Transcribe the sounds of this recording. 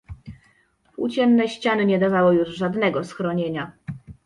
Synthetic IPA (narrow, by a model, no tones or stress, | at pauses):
pṵt͡ɕɛmnɛɕt͡ɕanɘɲɛd̪avawɔjuʐʐad̪nɛɡɔsxɾɔɲeɲa